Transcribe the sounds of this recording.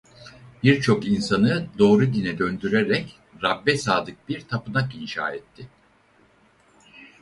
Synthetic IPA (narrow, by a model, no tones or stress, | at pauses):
biɾt͡ʃʰo̞kinsanɯd̪o̞ːɾud̪inɛd̪ø̞nd̪yɾeɾɛc | ɾabːɛsaːd̪ɯk̚biɾt̪ʰapɯnakinʃa̰ːɛt̪ʰːɪ